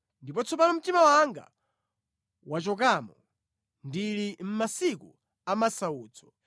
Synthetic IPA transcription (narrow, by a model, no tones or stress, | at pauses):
ndipɔt͡sʰɔpanɔm̩timawaŋɡa̰ | wat͡ʃɔk̬amɔ | ndilim̩masikṵ | amasauːt͡sʰɔ̥